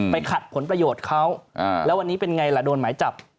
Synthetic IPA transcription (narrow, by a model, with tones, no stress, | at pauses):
pa˧jjkʰa˨˩t̪̚pʰo˩˦npɾa˧joː˨˩t̪̚kʰa˦˥wa˧lɛː˦˥wa˧nːiː˦˥pe˧nŋa˧jla˨˩doː˧nmaː˩˦jt͡ɕa˨˩p̚